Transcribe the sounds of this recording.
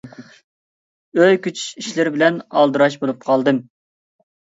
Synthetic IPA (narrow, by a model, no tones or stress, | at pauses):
øjkʲyt͡ʃʰy̥ʃiʃlɪɾɪbɪlɛnɑlˠd̪ɨɾɑʃ̬bolˠup̚qʰɑlˠd̪ɨm